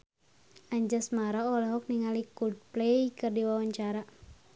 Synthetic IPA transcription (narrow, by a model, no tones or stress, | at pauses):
aɲd͡ʒasmaɾaɔlaɦɔk̚niŋalikud̚plejkɨrdiwawaɲt͡ʃaɾa